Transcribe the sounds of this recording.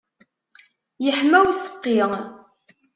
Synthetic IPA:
jəħmæwsə̥qːɪʁ

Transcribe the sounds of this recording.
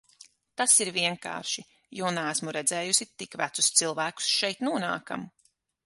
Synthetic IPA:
t̪asiɾviɛŋka̰ːɾʃi | juːnɛæsmuɾɛd̪zɛːjusit̪ikvæt̪su̥st̪silˠvæːku̥sʃɛjt̪nuɔna̰ːka̰m

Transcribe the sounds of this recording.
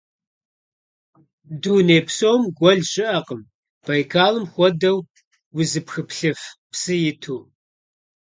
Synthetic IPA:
duːneːpsoːmɡʷɔɮɕɪʔɐqəm | b̥ɐjkʰaːlɨmxʷɔdɐw | wʊzɨpxɨpɬɨfpsɨjɪtʰuː

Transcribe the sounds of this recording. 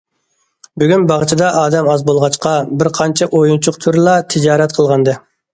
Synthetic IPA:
byɡʲynbɑʁt͡ʃʰid̪ɑʔɑːd̪ɛmɑzbolˠʁɑt͡ʃqɑbɪɾqʰɑnt͡ʃʰɛʔojunt͡ʃʰʊqt̪ʰuɾlˠɑt̪ʰɪd͡ʒɑːɾɛt̪̚qʰəlˠʁɑnd̪ɨ

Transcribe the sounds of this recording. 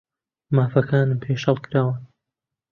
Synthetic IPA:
maːfɐkʰaːnɨmpʰeːʃhɐlˠkʰɨɾaːwɨn

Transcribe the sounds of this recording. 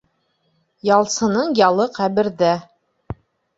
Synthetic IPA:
jɑlˠsɤ̆nɤɴjɑlˠɤqæβɘ̆ɾðæ

